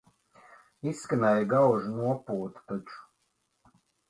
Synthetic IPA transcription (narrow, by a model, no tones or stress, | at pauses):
isːkanɛjɡawʒunuɔpuːt̪t̪ɔt͡ʃu̥